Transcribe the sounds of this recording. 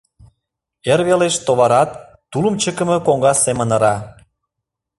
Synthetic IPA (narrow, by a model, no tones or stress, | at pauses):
eɾβeleʃt̪oβɑɾɑt̪ː | uləmt͡ɕəkə̆mə̆koŋɡɑsemənə̆ɾɑ